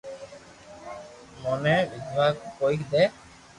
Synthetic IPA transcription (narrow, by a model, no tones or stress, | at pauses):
mɔnebid̪bʱaɡ̚pojkd̪ɛ